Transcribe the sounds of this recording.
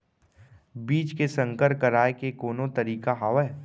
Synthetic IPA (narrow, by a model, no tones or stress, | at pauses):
biːt͡ʃkesə̃ŋkəɾkəɾaːekekoːnõt̪ɐɾiːkaɦaːwɛ